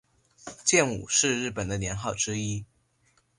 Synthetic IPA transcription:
t͡ɕjɛ˥˩nṵ˨˩ʂɻ̩˥˧ɻɻ̩˥˩pə˨˩nd̪ə˦njɛ˧˥nxɑ˥˩ʊʈ͡ʂɻ̩˥i˥

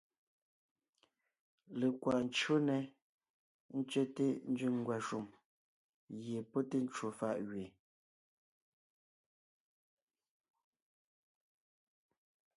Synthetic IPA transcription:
le˨kwa˨n̩˦t͡ʃo˦nɛ˨ | n̩˦t͡ʃɥɛ˦te˦n̩˦d͡ʒy˦˨ŋ˨ɡwa˨ʃu˨m | ɣje˨pɔ˦te˦n̩˦t͡ʃu˨fa˦˨ʔɣɥe˨

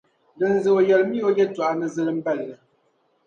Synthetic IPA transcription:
dɨ˨n̩˦zɨ˦o˨jɛ˨lmi˦o˦jɛ˦twa˨ʔa˦nɨ˨zɨ˦lɨ˦m̩˦bɛ˦˨lːə˨

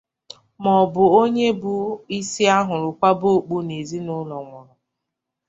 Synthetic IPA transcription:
mɔ˨bʊ˨o˦ɲe˦bʊ˦i˦si˦a˦ɦʊ˨ɾʊ˨kʷa˦bo˦˨k͡pu˦ne˨zi˦nʊ˦lɔ˨ŋɔ˨ɾʊ˨

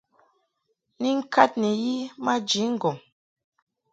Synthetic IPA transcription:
ni˦ŋ̩˦ka˦t̚nɛ˨ji˦ma˦d͡ʒi˨˦ŋ̩˨ɡɔ˨ŋ

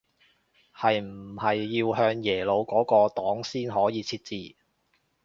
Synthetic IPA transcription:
hɐ˨jm̩˨˩hɐ˨jːiː˧wɦœː˧ŋjɛː˨˩lo˨˧wkɔː˨˥kɔː˧t̪ɔː˨˥ŋsiː˥nɦɔː˨˥jiː˨˧t͡sʰiː˧t̚t͡siː˨

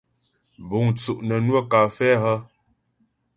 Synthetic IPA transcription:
bu˨ŋt͡su˨ʔnə˨nwə˦ka˨fɛ˦hə˦

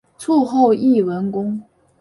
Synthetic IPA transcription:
ʈ͡ʂʰu˥˧xo˥˧ʊi˥˩wə˧˥nkʊ˥ŋ

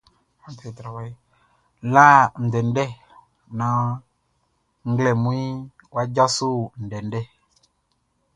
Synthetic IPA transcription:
a˨tɛ˨tɾa˨wa˦i˦ | la˦n̩˨dɛ˨n˦dɛ˦˨ | nã˨ | ŋ˦ɡlɛ˨mũ˦i˦wa˦d͡ʒa˦su˦n̩˨dɛ˨n˦dɛ˦˨

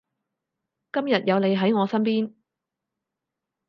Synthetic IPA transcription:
kɐ˥mjɐ˨t̚jɐ˨˧wne˨˧jɦɐ˨˥jŋɔː˨˧sɐ˥npiː˥n

